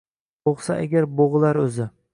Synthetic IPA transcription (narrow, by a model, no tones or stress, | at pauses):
oʁsaʔa̰ɡʲaɾboʁlˠaɾɵzɪ